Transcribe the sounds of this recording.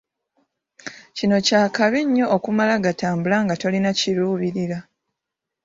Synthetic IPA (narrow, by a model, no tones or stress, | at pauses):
cino̞caːkaβiɲːo̞ːkumalaɡataːmbulaŋɡato̞linaciɾuːβiɾila